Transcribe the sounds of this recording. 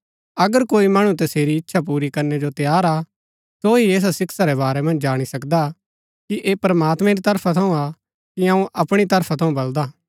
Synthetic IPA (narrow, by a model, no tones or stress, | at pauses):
ɐɡəɾkoːimɐɽ̃ũt̪̬ɐseːɾiɪtːʃʰap̬uːɾikɐɾnɛd͡ʒot̪ejaːɾa | soɦieːs̬asɪksaɾɛβaːɾɛmɐ̃nd͡ʒd͡ʒaːɽ̃isɐkd̪a | kiʔeːpɾəmaːt̪mɛ̃ɾit̪ɐɾpʰat̪ʰɐũa | kiɐũʔɐpɽ̃it̪ɐɾpʰat̪ʰɐ̃ũbɐld̪aː